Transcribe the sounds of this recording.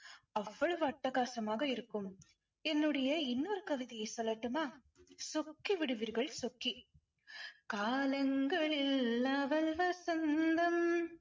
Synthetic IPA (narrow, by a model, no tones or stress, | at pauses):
ɐʋːɐɭɯʋɐʈːɐɣaːsɐmaːɣɐɪɾɯkːɯm | ɛnːɯɽɐjɐɪnːoːɾɯkɐʋɪðijɐɪsɔlːɐʈːɯmaː | sɔkːiʋɪɽɯʋiːɾɣɐɭsɔkːi | kaːlɐŋɡɐɭɪlːaʋɐlʋɐsɐnd̪ɐm